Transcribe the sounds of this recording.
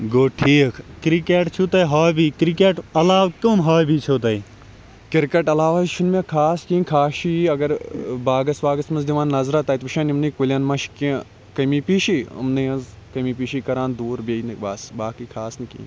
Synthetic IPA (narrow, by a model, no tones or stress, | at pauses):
ɡoːʈʰiːkʰkɾikeːʈt͡ʃʰut̪ɐjɦaːjbiːkɾikeːʈɐlaːʋkomɦaːjbiːt͡ʃʰot̪ɐj | kɪɾkɐʈɐlaːʋaʃunmẽkʰaːskĩːnkʰaːʃiɐɡɐɾbaːɡɐsbaːɡɐsmɐnzd̪iʋãːnːɐzɾaːt̪ɐːit̪ʋɐʃaːnimnɐːkulʲɐnmɐʃkĩ | kɐmiːpiːʃiɐ̰mnɐɐnz | kɐmiːpiːʃiːkɐɾãːnd̪uːɾbejnɨbaːsbaːkikʰaːsnɨkḭːn